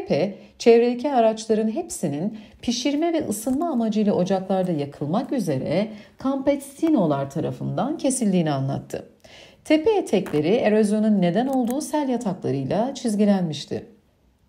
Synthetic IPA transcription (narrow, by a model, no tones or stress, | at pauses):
pʰɛ | t͡ʃʰevɾelʲicʰiaɾat͡ʃlˠaɾɯnɦepsininpʰiʃiɾmɛvɛʔɯsɯnmaːmad͡ʒɯjlˠaʔo̞d͡ʒaklˠaɾd̪ajakʰɯlˠmakyze̞ɾɛkʰampɛt̪st̪ino̞lˠaɾt̪ʰaɾa̰fɯnd̪ancʰe̞silʲd̪ʲiːnianlˠa̰t̪ʰːɯ̰ | t̪ʰepʰeet̪ʰɛclʲe̞ɾiʔe̞ɾo̞zjo̞nunːe̞d̪æno̞lˠd̪uːsælʲjat̪ʰaklˠa̰ɾɯjlˠat͡ʃʰizɟilʲænmiʃt̪ʰɪ̰